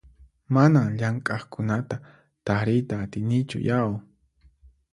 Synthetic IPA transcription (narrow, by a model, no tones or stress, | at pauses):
manaŋʎaŋkʼaχkʊnat̪a | t̪aɾɪjt̪aːt̪ɪjnɪt͡ʃʊ̰jaw